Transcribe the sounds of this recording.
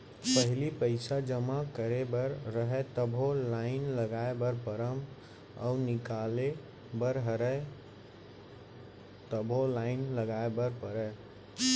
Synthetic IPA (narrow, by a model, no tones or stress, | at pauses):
pəɦlipəɪsad͡ʒəmakəɾebəɾːəɦɛt̪əbʱõlaɪnləɡaebəɾpəɾəm | a̰ʊnɪkale | bəɾɦəɾə | t̪əbʱolaɪnləɡaebəɾpəɾə